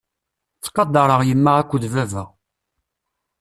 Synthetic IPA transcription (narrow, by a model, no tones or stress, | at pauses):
t͡sːqːɑd̪ɑɾˤəʁjəmːaʁækʷːəðvævæʁ